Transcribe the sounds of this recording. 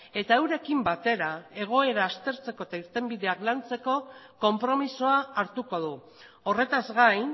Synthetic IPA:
e̞t̪aewɾe̞kimbat̪e̞ɾae̞ɣ̞o̞e̞ɾaːst̪e̞ɾt͡se̞ko̞et̪aiɾt̪e̞mbiðe̞aklant͡se̞ko̞ko̞mpɾo̞misoaːɾt̪uko̞ð̞u | o̞re̞t̪azɣajn

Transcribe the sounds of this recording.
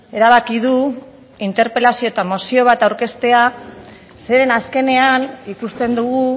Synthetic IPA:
e̞ɾaβ̞akið̞u | int̪e̞ɾpe̞lasio̞et̪amo̞sio̞β̞at̪awɾke̞st̪e̞a | se̞ɾe̞naske̞ne̞anikust̪e̞nd̪uɣu

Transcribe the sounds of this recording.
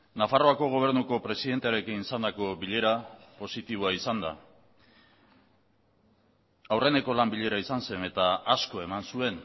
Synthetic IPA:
nafaro̞ako̞ɣ̞o̞β̞e̞ɾnuko̞pɾe̞siðe̞nt̪eaɾe̞kinisand̪ako̞βiʎe̞ɾapo̞sit̪iβ̞oaisand̪a̰ | awre̞ne̞ko̞lambiʎe̞ɾaisanse̞ne̞t̪aasko̞e̞mansue̞n

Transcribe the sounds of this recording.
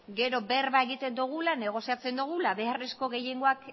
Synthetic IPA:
ɡe̞ɾo̞be̞rβaeɣit̪e̞nd̪uɣ̞ulane̞ɣ̞o̞siat͡se̞nd̪uɣ̞ulaβe̞are̞sko̞ɣe̞je̞ŋɡo̞ak

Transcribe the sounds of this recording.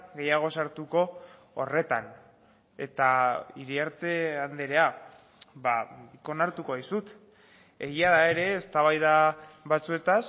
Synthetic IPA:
ɡe̞jaɣ̞o̞saɾt̪uko̞̰ː | re̞t̪an | e̞t̪aiɾiaɾt̪e̞and̪eɾe̞a | βabiko̞naɾt̪uko̞βajsut̪ | e̞ɣiaðae̞ɾe̞ːst̪aβ̞ajðaβat͡sue̞t̪as

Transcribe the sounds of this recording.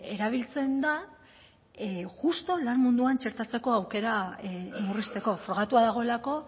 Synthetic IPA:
e̞ɾaβ̞ilt͡se̞nd̪a | ɣust̪o̞lanmund̪uant͡ʃe̞ɾt̪at͡se̞ko̞awke̞ɾamurist̪e̞ko̞fɾo̞ɣ̞at̪uaðaɣ̞o̞e̞lako̞

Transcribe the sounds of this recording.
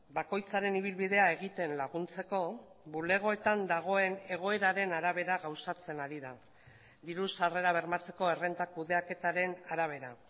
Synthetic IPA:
bako̞jt͡saɾe̞niβ̞ilβið̞e̞ae̞ɣ̞it̪e̞nlaɣunt͡se̞ko̞ | bule̞ɣ̞o̞e̞t̪and̪aɣ̞o̞e̞ne̞ɣ̞o̞e̞ɾaɾe̞naɾaβe̞ɾaɣawsat͡se̞naɾiða | d̪iɾusare̞ɾaβ̞e̞ɾmat͡se̞ko̞e̞re̞nt̪ak̚uðe̞ake̞t̪aɾe̞naɾaβ̞e̞ɾa

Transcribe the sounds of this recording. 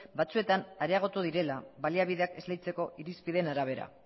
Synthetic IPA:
bat͡sue̞t̪anaɾeaɣ̞o̞t̪uð̞iɾe̞laβaliaβ̞iðe̞ake̞zlejt͡se̞ko̞ʔiɾispiðenaɾaβ̞e̞ɾa̰

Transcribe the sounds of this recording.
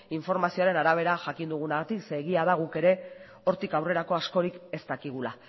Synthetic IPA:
iɱfo̞ɾmasio̞aɾe̞naɾaβ̞e̞ɾaʝakind̪uɣ̞unaɣat̪ikse̞ːɣiaðaɣ̞uke̞ɾe̞ | o̞ɾt̪ikawre̞ɾako̞asko̞ɾike̞st̪akiɣ̞ula

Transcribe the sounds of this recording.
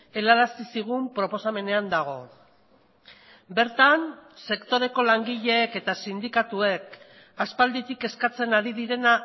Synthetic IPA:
e̞laɾasisiɣ̞umpɾo̞po̞same̞ne̞and̪aɣ̞o̞̰ | be̞ɾt̪anse̞kt̪o̞ɾe̞ko̞laŋɡiʎe̞ːke̞t̪asind̪ikat̪ue̞k | aspald̪it̪ike̞skat͡se̞naɾiðiɾe̞na

